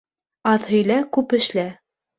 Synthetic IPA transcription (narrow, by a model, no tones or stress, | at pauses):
ɑðhɵ̆jlækʉpɘ̆ʃlæ